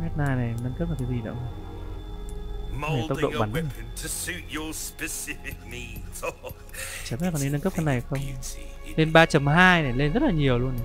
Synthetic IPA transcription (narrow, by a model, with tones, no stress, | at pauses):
mɛ˦˥t̚naː˧jna˨˩jnə˧nkə˦˥p̚nə˨˩kaː˨˦zi˨˩ɗə̰˧˥˦ə˧ | mʰ˦e˧˩ə˦w̚ɗo̰˧˨ɓaː˨˦nɛ˦˨əntʰəsʉtəspɪsɪɪmĩnz | t͡ɕːmː˦˨kɔ˨˩nɗi˧nə˧nkə˦˥ka˧na˨˩jxə˧wŋ͡m | le˧nɓaː˧t͡ɕə˨˩mɦaː˧jna˨˩le˧nzə˦˥t̚laː˨˩ɲi˨˩əwlu˧ən˨